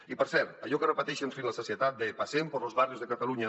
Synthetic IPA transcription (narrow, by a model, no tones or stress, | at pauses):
ipəɾsɛɾt̪aʎɔkərəpət̪ɛʃəɱfinləsosiət̪at̪̚d̪əpasempəɾlozβarjuzðəkat̪aluɲə